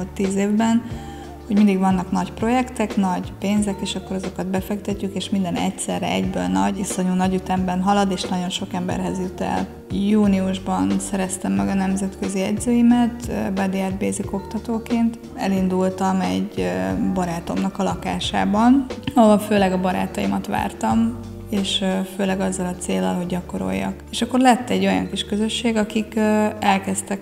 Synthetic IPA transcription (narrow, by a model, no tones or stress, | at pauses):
t̪ːiːzeːvbɛn | ho̞ɟmind̪iɡvɒnːɒknɒcpro̞jɛkt̪ɛknɒɟpeːnzɛkeːʃɒkːo̞ɾɒzo̞kɒd̪̚bɛfɛkt̪ɛcːykeːʃmind̪ɛnɛ̰csɛ̰rɛ̰ɛ̰ɟbø̰ːlnɒɟiso̞ɲuːnɒɟyt̪ɛmbɛnɦɒlɒd̪eːʃnɒɟo̞nʃo̞kɛmbɛ̰rɦɛzjut̪ɛ̰l | juːniuʒbɒnsɛɾɛst̪ɛmːɛɡɒnɛmzɛt̪køziɛɟzøːjimɛt̪bɒd̪iɛd̪beːziko̞kt̪ɒt̪oːkeːnt̪ | ɛ̰lind̪ult̪ɒmɛɟbɒɾaːt̪o̞̰mnɒkɒlɒkaːʃa̰ːbɒnɒɦoɒlføːlɛɡɒbɒɾa̰ːt̪ɒjḭmɒt̪ʋa̰ːrt̪ɒm | eːʃføːlɛɡɒzːɒlɒt̪seːlːɒ̰lɦo̞ɟɟɒko̞ɾo̞̰jːɒ̰keʃɒkːo̞rlɛt̪ːɛɟːo̞jɒ̰ŋkiʃkø̞zø̞ʃːeːɡɒkikːɛlkɛst̪ɛk